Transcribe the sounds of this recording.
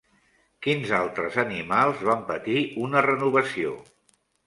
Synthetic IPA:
kinzalˠt̪ɾəzənimalˠzβampət̪iunərənuβəsio̰

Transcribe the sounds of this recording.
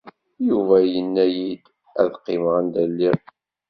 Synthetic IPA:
juvæjənːæjid̪ | æ̰ðqːɪmʁənd̪ælːi

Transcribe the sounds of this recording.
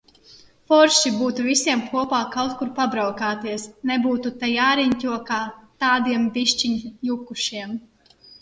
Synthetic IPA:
fɔɾʃibuːt̪uvisiɛmkʰuɔpaːkawt̪̚kuɾpabɾawkaːt̪iɛsnebuːt̪ut̪ɛjaːɾiɲcʲuɔkaːt̪aːd̪iɛmbʲiʃt͡ʃiɲjukuʃiɛm

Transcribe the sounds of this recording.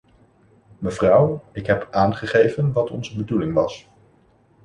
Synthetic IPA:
məvrʌwɪkɦɛpʔaːnχəχejvənʋɑtɔ̰nzəbədulɪŋʋɑs

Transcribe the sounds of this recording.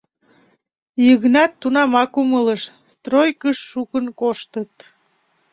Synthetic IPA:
jəɣnɑt̪ːunɑmɑkumələʃst̪rojkəʃːukənkoʃt̪ət̪

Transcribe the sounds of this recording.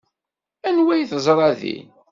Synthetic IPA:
ænwæjθzˤɾˤɑðḭ

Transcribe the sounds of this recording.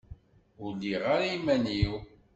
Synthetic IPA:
ʊlːiʁaɾaimæniw

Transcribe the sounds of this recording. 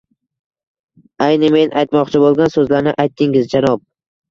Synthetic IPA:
ajnɪme̞najt̪mɒqt͡ʃʰɪbolˠɡʲansɵzlaɾnɪʔajt̪ːɪŋɪzd͡ʒanɒp̚

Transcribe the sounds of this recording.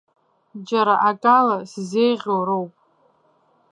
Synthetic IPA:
d͡ʒaɾaʔakʼalasizejʁʲoɾowpʼ

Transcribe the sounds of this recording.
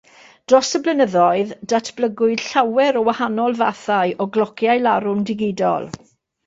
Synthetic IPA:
d̥rɔsəblənəðɔɨðdatʰb̥ləɡʊɨd̥ɬawɛɾɔwahanɔlˠvaθaɨʔɔɡlɔkʰjajlaɾʊmdɪɡɪdɔ̰lˠ

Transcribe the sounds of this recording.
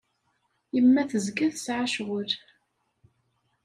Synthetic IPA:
jəmːæθəzɡæθsʕaʃʁʊɾ

